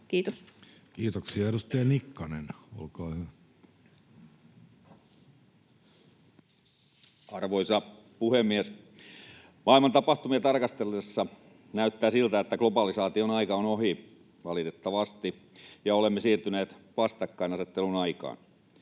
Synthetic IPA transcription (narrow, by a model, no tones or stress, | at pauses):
kiːt̪oskiːt̪oksiɑeɾust̪ɑjɑnikːɑneno̰lkɑːhyʋæ | ɑrʋoisɑ | puhemːies | mɑilmɑnt̪ɑpɑht̪umiet̪ɑrkɑst̪elːesːɑ | næyt̪ːæːsilt̪æet̪ːæklopɑlisɑːt̪ionɑikɑonohi | ʋɑlit̪et̪ːɑʋɑst̪i | jɑolemːesiːrt̪yneːt̪ʋɑst̪ɑkːɑinɑset̪ːelunɑikɑ̰ːn